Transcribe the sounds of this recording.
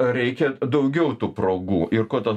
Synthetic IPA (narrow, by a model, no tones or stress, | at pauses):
ɾʲɛɪkʲɛd̪ɐʊɡʲɛʊt̪uːpɾoːɡuːʔɪrkoːt̪ɐ